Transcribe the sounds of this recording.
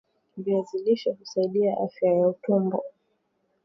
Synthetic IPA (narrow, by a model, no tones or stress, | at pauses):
viaziliʃahusaiɗiaʔafjajautɔmbɔ